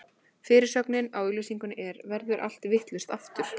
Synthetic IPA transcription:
fɪːɾɪɾ̥sœknɪnaːwilisiŋkʏnʔɛɾvɛɾðʏɾʔa̰l̥t̪vɪht̪lʏst̪aft̪ʏɾ̥

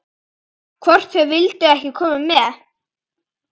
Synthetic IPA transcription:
kʰvɔr̥t̪θœvɪlt̪ʏɛhcɪkʰɔːmɪmːɛ

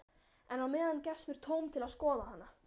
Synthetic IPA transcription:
ɛnawmɪːðancɛsmɪɾ̥t̪ʰoːwmt̪ʰɪlaðskɔːðahanːa

